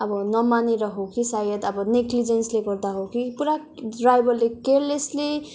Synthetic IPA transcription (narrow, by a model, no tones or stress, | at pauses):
ʌbʌnʌmaneɾʌɦokisajʌt̪ʌbʌniklid͡zensleɡʌɾd̪aɦokipuɾa | ɖrajbʌllekeɾlesle